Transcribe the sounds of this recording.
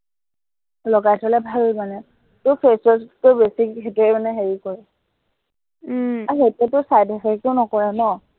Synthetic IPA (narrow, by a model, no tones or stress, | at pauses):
lɔɡajtʰɔlɛbʱalmanɛ | tʊpʰesɔstʊbesikʰetɔɛmanɛɦeɹikɔɹɛ | aɦetɛtʊsajdɛfɛk̚ʊʊnɔkɔɹɛnɔ